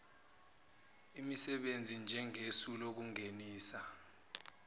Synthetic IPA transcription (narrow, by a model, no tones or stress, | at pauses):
imisɛɓend͡zʱind͡ʒʱɛŋesulok̬uŋeniːsa